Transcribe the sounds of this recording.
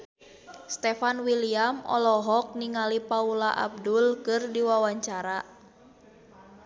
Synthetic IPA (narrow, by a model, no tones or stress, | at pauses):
st̪ɛfanwiliamɔ̰lɔɦɔk̚niŋalipaulaʔa̰b̚dulkɨrdiwawaɲt͡ʃaɾa